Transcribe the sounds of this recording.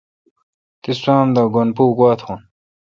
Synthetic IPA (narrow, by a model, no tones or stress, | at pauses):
t̪isãːmd̪aɡonpuːɡwaːt̪xun